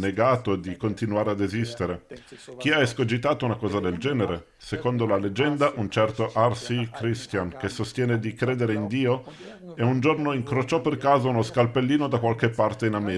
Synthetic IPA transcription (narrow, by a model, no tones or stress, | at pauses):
neɡaːt̪od̪ikont̪inuaːɾead̪ezist̪eɾek̟iaeskod͡ʒit̪aːt̪ounakɔːzad̪eld͡ʒɛːneɾe | sekond̪olaled͡ʒɛnd̪aʔunt͡ʃɛrt̪oʔarsikɾist̪jankesost̪jɛːned̪ikɾeːd̪eɾeind̪iːoeund͡ʒornoiŋkɾot͡ʃɔpːerkaːzaunoskalpelːiːnod̪akwalkepːart̪einamɛː